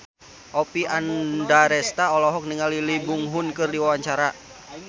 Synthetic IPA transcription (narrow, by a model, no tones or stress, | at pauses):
ʔɔpiʔandaɾɛst̪aɔlɔɦɔk̚niŋalilibuŋɦunkɨrdiwawaɲt͡ʃaɾa